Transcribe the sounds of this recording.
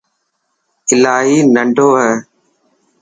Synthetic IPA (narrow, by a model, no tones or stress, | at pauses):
ɪlaːɦiːnəɳɖʱoːɦɛː